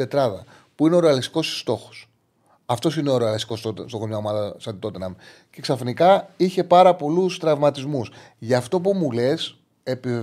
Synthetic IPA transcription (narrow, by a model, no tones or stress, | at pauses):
et̪ɾɐðɐ̰ | puineo̞ɾe̞ɐlist̪i̥ko̞sst̪o̞xo̞̥s | ɐft̪o̞sine̞oɾeɐlist̪ikosost̪oɣoɲomɐlsɐd̪it̪o̞t̪enɐm | ce̞ksɐfnikɐiçe̞pɐɾɐpo̞lust̪ɾɐvmɐt̪izmus | ʝɐːft̪o̞pumule̞s | e̞pive